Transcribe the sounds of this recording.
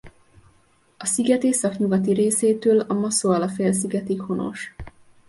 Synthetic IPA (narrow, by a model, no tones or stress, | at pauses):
ɒsiɡɛt̪eːsɒkɲuɡɒt̪iɾeːseːt̪øːlɒmɒsoɒlɒfeːls̬iɡɛt̪ikho̞no̞̰ʃ